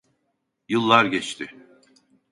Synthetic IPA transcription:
jɯlˠːaɾɟɛt͡ʃt̪ʰɪ

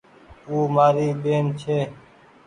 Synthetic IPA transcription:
uːmaːɾiːɓeːnt͡ʃʰeː

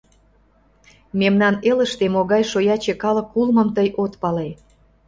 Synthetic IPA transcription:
memnɑnelə̆ʃt̪emoɣɑjʃojɑt͡ɕekɑləkːulmə̆mt̪əjʔot̪pɑle

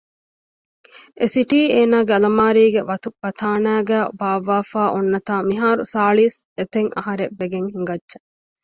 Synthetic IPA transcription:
ʔesiʈiːeːnaːɡeɐlɐmaːɾiːɡeʋɐt̪upːɐt̪ʰaːnæːɡæːbaːʋaːfaːʔonːɐt̪aːmiɦaːɾusaːɭiːset̪eŋɐ̰ɦɐɾebːeɡeŋhiŋɡɐdʃɐ̥

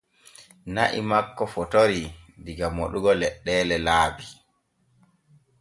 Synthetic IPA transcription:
naʔḭmakːɔfɔtoɾidiɡamoɗuɡɔlɛɗːɛːlɛlaːbi

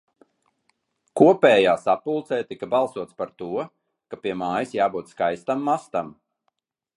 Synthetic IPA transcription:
kuɔpɛːjaːsapulˠt̪sɛːt̪ikabalˠsuɔt̪spaɾt̪uɔ | kapiɛmaːjisjaːbuːt̪skajst̪amːast̪am

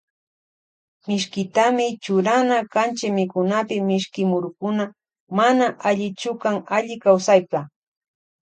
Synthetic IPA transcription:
mɪʃkɪt̪amɪt͡ʃʊɾanakant͡ʃɪmɪkʊnapɪmɪʃkɪmʊɾʊkʊna | manaʔaʎɪt͡ʃʊkaŋaʎɪkawsajpa

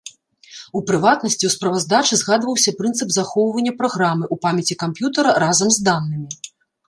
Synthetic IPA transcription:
upɾɨvat̪nɐsʲt͡sʲiwspɾɐvɐzd̪at͡ʂɨzɣad̪vɐwsʲɐpɾɨnt̪sɨpzaxɔwvɐnʲːɐpɾaɣɾamɨʔupamʲɐt͡sʲikampjut̪ɐɾɐɾazɐmzd̪anːɨmʲi

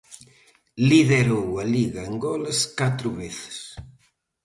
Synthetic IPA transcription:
liðeɾowɐliɣɐeŋɡɔleskat̪ɾʊβeθɪ̥s

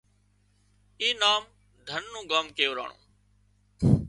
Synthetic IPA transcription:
iːnaːm | d̪ʱənːũːɡaːmkəjoːɾa̰ːɳṵ̃ː

